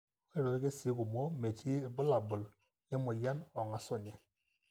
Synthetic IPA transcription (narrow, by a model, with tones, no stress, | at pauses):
e˦ɾo˨˦ɡe˦si˨˦ku˨mo˦me˨tʰi˦˨bu˦la˨bʊ˨l | jɛ˦mo˨ja˦nɔ˨ŋa˨sɔ˦˨ɲɛ˨